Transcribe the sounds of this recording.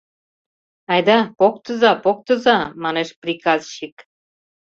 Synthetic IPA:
ɑjd̪ɑpok̚t̪əzɑpok̚t̪əzɑmɑneʃprikɑzɕik

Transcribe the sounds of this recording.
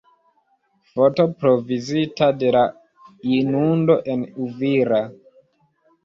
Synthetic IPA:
fo̞to̞pɾo̞vizitade̞la | inundo̞ʔe̞nuviɾa

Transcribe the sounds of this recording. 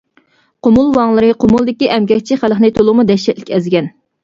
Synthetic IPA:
qʰomulˠwɑŋlˠɨɾɨqʰʊmulˠd̪ɪkʲiʔɛmkʲɛk̚ʲt͡ʃʰiχæləχnɨt̪ʰolˠʊʁmud̪ɛʃɛt̪lɪkʲɛzɡʲɛn

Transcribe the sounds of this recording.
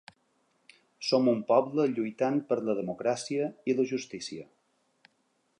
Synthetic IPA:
somumpɔβləʎujt̪an̚pəɾləðəmukɾasiəiləʒust̪isiə

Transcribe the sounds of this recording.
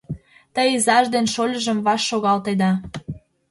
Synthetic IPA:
t̪əjzɑʒd̪enʃolʲəʒə̆mβɑʃːoɣɑlt̪ed̪ɑ

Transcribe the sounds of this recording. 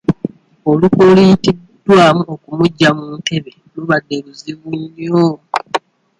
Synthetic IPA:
olukolijiti̥ː | waːmuokumuɟːamuːŋke̞βe | luβadːe̞βuziβuɲːo

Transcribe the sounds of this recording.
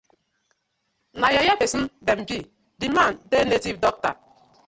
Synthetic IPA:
najajabesn̩dem̩bi | dimandenetivdɔk̚ta̰

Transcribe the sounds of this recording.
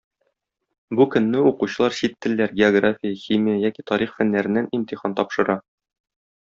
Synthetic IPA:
bukɵ̆nːɘuquɕɤ̆lˠɑɾɕit̪ːɘ̆lːæɾɡʲɪoɡrafʲijəxʲimʲijəjækʲit̪ɒɾiχfænːæɾɘ̆nːænimt̪ʲiχɑnt̪ɒpʃɤ̆ɾɑ

